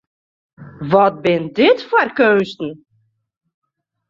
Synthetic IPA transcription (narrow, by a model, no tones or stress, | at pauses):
ʋɔt̚bɪndɪtfɔrkøːnstn̩